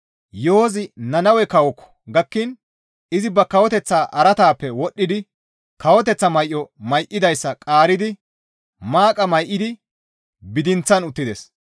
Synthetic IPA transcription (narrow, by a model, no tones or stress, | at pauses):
joːzɪnɐnɐwɛkɐwɔkːɔ̥ɡɐkːɪn | ʔɪzɪbɐkɐwɔt̪ɛt͡sːaːʔɐɾɐt̪aːpːɛwɔɗːɪd̪ɪ | kɐwɔt̪ɛt͡sːɐmɐjʔːɔmɐjʔɪd̪ɐjsːɐkʼaːɾɪd̪ɪ | maːkʼɐmɐjʔːɪd̪ɪ | bɪd̪ɪnt͡sːɐnʊt̪ːɪd̪ɛs